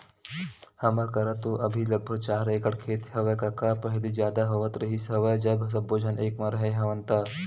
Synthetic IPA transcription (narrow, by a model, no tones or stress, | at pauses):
hɐmakɐɾat̪oʔɐbʱilɐɡ̚bʱəɡ̚t͡ʃaːɾeːkəɽkʰeːt̪ɦɐʋəkɐkapɐɦlizjaːd̪aɦoʋət̪ɾɐɦisɦɐʋəjd͡ʒɐbs̬ɐbːoːd͡ʒʱəneːkmaɾɐɦeɦɐʋənt̪a